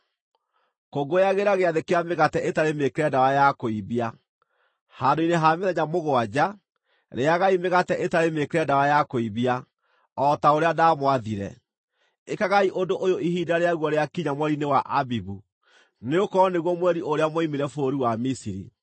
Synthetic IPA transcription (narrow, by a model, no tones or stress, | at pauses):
koɡojaɣeɾaɣeaðekeameɣatɛʔetaɾemekɾɛdawajakoiβia | handoineɦaːmeðɛɲamoɣoad͡ʑa | ɾeaɣaimeɣatɛʔetaɾemekeɾɛdawajakoiβia | ɔtaoɾeadamwaðiɾɛ̰ | ekaɣaiʔondoʔojoihiːdaɾeaɣwɔɾeakiɲamwɛɾinewaʔabibu | neokɔɔneɣwɔmwɛɾiʔoɾeamɔimeɾɛfoːɾiwamisiɾḭ